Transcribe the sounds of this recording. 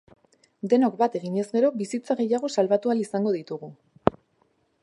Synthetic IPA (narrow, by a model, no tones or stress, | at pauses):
d̪e̞nokbat̪e̞ɣiɲe̞zɡe̞ɾo̞βisit͡saɣ̞e̞jaɣ̞o̞salβat̪ualisaŋɡo̞ðit̪uɣ̞u